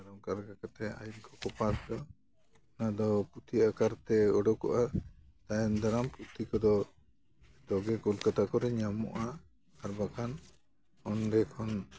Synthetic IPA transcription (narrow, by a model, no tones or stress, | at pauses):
aɾɔŋkaɾɡakat̪ɛa̰jut̪̚kʰɔkɔpasd̪ɔ | nad̪ɔput̪ʰiakaɾt̪ɛɔɖɔkɔ̰ʔa | t̪ajɛnd̪aɾamput̪ʰikɔd̪ɔ | d̪ɔɡɛkɔlkat̪akɔɾɛɲamɔ̰ʔaː | ɾbakʰan | ɔnɖɛkʰɔn